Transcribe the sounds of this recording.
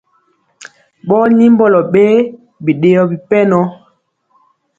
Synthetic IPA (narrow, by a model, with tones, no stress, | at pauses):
ɓɔ˦ni˦m˦bɔ˦lɔ˨ɓe˦ | bi˨ɗe˨jɔ˨bi˨pɛ˦nɔ˦